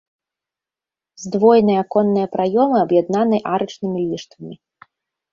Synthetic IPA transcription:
zd̪vɔjnɨjɐkɔnːɨjɐpɾajɔmɨɐbjad̪̚nanɨjʔaɾɨt͡ʂnɨmʲilʲiʂt̪vɐmʲi

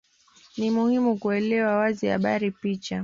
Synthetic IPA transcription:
nimuhimukuɛlɛwawaziha̰ɓaɾipit͡ʃa

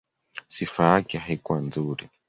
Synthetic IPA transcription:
sifajakɛɦaikuwanzuɾi

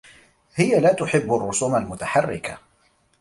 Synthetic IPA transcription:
hɪjalaːt̪ʊħɪbːʊrˤːʊsuːmalmʊt̪aħarːɪ̰ka̰

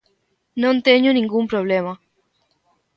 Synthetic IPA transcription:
nõnt̪eɲunĩŋɡumpɾoβ̞lema

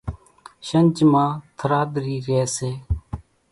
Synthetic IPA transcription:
ʃənt͡ʃmãːt̪ʰəɾaːd̪ɾiːɾeːseː

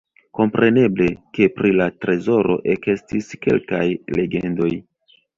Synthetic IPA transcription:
ko̞mpɾe̞ne̞ble̞ke̞pɾilatɾe̞zo̞ɾo̞̰ʔeke̞stiske̞̰lkajle̞ɡe̞̰ndo̞j

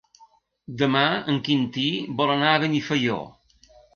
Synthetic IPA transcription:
d̪əmaəŋkint̪ibɔlənaəβənifəjo̰

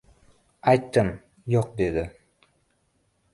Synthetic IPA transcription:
ɑjt̪ːɯm | joq̚d̪ed̪ɪ

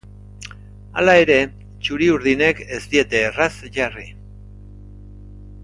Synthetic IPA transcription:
a̰lae̞ɾe̞ | t͡ʃuɾiuɾðine̞ke̞st̪ie̞t̪e̞rasʝari

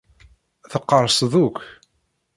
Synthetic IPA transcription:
θəqːəɾˤsˤðukʷ

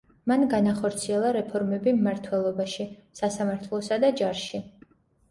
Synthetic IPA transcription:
manɡanaχɔɾt̪sʰiɛlˠaɾɛpʰɔɾmɛbimːaɾt̪ʰwɛlˠɔbaʃisasamaɾt̪ʰlˠɔsad̪ad͡ʒaɾʃi

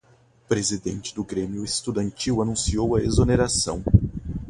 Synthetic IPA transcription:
pɾezid̪ḛ̃nt͡ʃɪ̥d̪ʊɡɾemiʊest̪ud̪ɐ̃nt͡ʃiwɐnũsiowɐezoneɾasɐ̰̃w̃

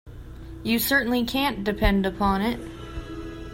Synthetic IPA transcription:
jɨsɜ˞ʔn̩likʰæ̃nd̥ɨpʰɛ̃ndəpʰɑ̃nɪt̚

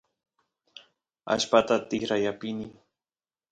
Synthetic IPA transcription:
a̰ʃpat̪at̪ɪxɾajapɪnɪ

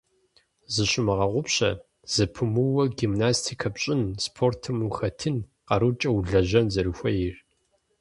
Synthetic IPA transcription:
zɨɕɪmɨʁɐʁʷʊpɕɐ̰ | z̥ɨpʰɨmɨwɐɡimnaːstʰikʰɐpɕʼɪnspʰoːrtʰɨmuxɐtʰɨn | qɐɾut͡ʃʼɐwuɮɐʑɐnzɐɾɨxʷɐjɪr

